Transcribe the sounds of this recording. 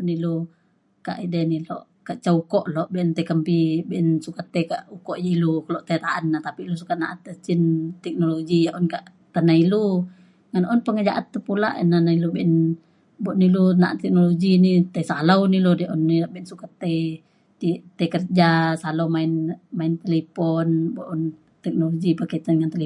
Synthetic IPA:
nilu | ka̰ʔidɛnilɔ̰ʔ | kaʔt͡ʃaukɔʔlɔʔbiʔɛnt̪aikəmpibiʔɛnsukat̪ːajkaʔukɔʔjailukəlɔʔt̪ajt̪aʔanːat̪apilus̬ukat̪̚na̰ʔat̪ːət͡ʃint̪ɛk̚noloɡijaʔɔnkaʔ | t̪anailu | ŋanʔɔnpəŋəd͡ʒaʔat̪ːəpula̰ʔə̰nanailubɛʔɛn | bɔʔnilunaʔat̪ːɛk̚noloɡinit̪asalawnilɔdiʔɔnːiabeinsukat̪ːe | it̪akərd͡ʒasalawmaɪnmaint̪elipɔnbɔʔɔn | t̪ɛk̚noloɡipakət̪anŋant̪eli

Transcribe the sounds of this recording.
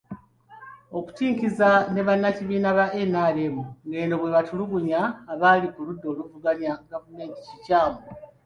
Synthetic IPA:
o̞ku̥tiːŋkizane̞βanːaciβiːnaβaʔenaːlemuŋɡe̞ːno̞βwe̞βatuluβuɲaːβalikuludːo̞ːluvuɡaɲaɡavume̞ːnti̥cicaːmo

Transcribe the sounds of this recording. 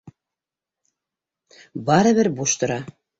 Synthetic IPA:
bɑɾɤ̆βɘɾbuʃt̪ŏɾɑ

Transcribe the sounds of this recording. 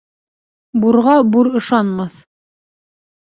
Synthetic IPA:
buɾʁɑbuɾɤ̆ʃɑnmɑθ

